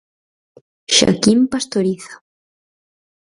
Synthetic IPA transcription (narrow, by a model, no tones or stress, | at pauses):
ʃa̰kimpast̪oɾiθḁ